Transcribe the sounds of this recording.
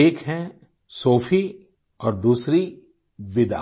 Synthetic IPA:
eːkɦɛ̃ | soːfi | ɔːɾd̪uːsɾi | ʋɪd̪a̰

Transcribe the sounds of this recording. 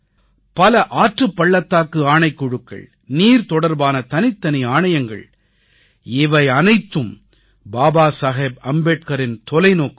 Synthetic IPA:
pɐlɐʔaːʈrɯpːɐɭːɐt̪ːaːkɯaːɳɐɪkːɔɽɯkːɐ̰ɭ | niːɾt̪ɔɽɐɾbaːnɐt̪ɐnɪt̪ːɐnɪaːɳɐjɐŋɡɐ̰ɭ | ɪʋɐɪɐnɐɪt̪ːɯm | baːbaːsɐɣeːbɐmbeːʈ̚kɐɾɪnt̪ɔlɐɪnoːkɯ

